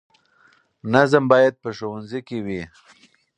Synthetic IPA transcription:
nazəmbɑjad̪̚pəʃowanzikewi

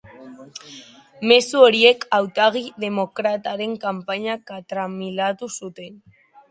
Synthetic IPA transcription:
mesuoɾiekawt̪aɣiðemokɾat̪aɾeŋkampaɲakat̪ɾamilat̪usut̪en

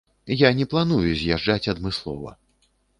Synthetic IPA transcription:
janʲɛplˠanujuzʲjaʐd͡ʐat͡sʲɐd̪mɨslˠɔ̰vɐ̰

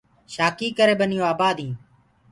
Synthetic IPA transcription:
ʃaːkiːkəɾeːbənɪjoːaːbaːd̪ĩː

